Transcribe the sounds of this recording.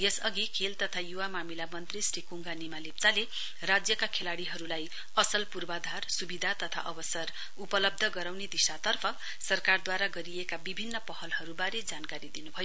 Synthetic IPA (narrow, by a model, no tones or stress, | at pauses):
jesʌɡikʰelt̪ʌt̪ʰajuwamamilamʌnt̪risrikuŋɡanimalip̚t͡sale | rad͡zjʌkakʰelaɽiɦʌɾulaj | ʌsʌlpurbad̪ʱarsubid̪ʱat̪ʌt̪ʰa̰ʔʌbʌsʌr | upʌlʌb̚d̪ʱʌɡʌɾawned̪isat̪ʌrpʰʌ | sʌrkard̪waɾaɡʌɾiekabibʱinːʌpʌhʌlhʌɾubaɾed͡zankaɾid̪inubʱʌjo